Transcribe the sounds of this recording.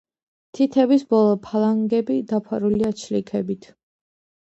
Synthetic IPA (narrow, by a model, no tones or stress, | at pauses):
t̪ʰit̪ʰɛbisbɔlˠɔpʰalˠaŋɡɛbid̪apʰaɾuliat͡ʃʰlikʰɛbit̪ʰ